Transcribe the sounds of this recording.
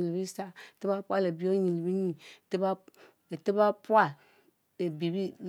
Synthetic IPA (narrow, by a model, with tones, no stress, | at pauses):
i˨li˨bi˦sa˦˨ti˦ba˦pʷa˦le˨bi˦o˦ɲĩ˨li˨bi˦ɲĩ˨te˦ba˦˨ | te˦ba˦pu˦a˦ | le˨bi˨bi˦l